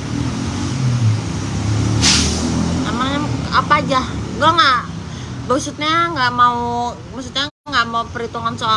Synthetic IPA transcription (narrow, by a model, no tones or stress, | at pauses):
a̰maɲaapad͡ʒaɡuaŋaʔ | basut̪̚ɲaŋɡaʔmauu | basut̪̚ɲa | ŋɡaʔmaupəɾit̪uŋansoa